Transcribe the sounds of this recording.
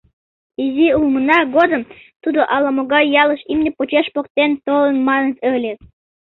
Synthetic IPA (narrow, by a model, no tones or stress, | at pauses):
izʲiulmənɑɡod̪ə̆m | t̪ud̪ŏʔɑlˠɑmoɡɑjɑlˠɤ̆ʃimnʲepot͡ɕeʃpok̚t̪ent̪olˠə̆nmɑnə̆t̪ølʲe